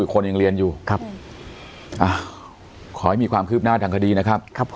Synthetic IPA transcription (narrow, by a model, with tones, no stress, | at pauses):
ɯː˨˩kʰo˧nja˨ŋɾi˧ənjuː˨˩kʰa˦ | ʔa˧˩ | kʰɔː˩˦ha˦˥jmiː˧kwaː˧mkʰɯː˥˩p̚naː˥˩t̪ʰaː˧ŋkʰa˧diː˧na˦˥kʰa˦˥p̚kʰpʰ